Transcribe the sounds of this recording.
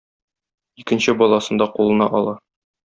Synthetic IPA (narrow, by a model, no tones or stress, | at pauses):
ikɘ̆nɕɘbɒlˠɑsɤ̆nd̪ɑqulˠɤ̆nɑʔɒlˠɑ